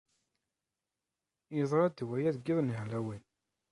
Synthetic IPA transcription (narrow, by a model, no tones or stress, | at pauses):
jəzˤɾˤɑd̪wæjæðɡiðˤniɦlæwin